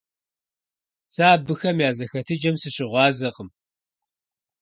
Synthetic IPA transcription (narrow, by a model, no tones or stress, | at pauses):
saːbɨxɐmjaːzɐxɐtʰɨd͡ʒɐmsɨɕɪʁʷɑːzɐqəm